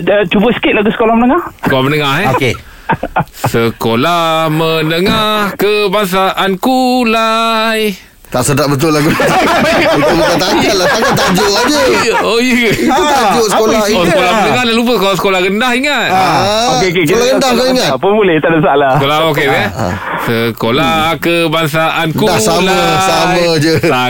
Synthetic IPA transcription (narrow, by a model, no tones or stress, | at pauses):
ət͡ʃubəsə̥kɪt̪̚laɡusə̥kolahmənəŋasəkolahmənəŋahɛoke | ssəkolahmənəŋahkəbaŋs̬aʔankulaj | t̪aʔsədaʔ̚bət̪̬ʊlaɡu | uməkat̪aalasaat̪aʔd͡ʒoʔad͡ʒəojəut̪ad͡ʒosəkolaiosəkolamənəŋahdaʔlup̬əkalasə̥kolahɡəndaɦiŋat̪̚aokek̬ekit̪aɡəndahkaŋatpəbulɪht̪aʔdəsaʔlakolaokea̰ | səkolakəbaŋs̬aʔankuasamlasamjãd͡ʒət̪a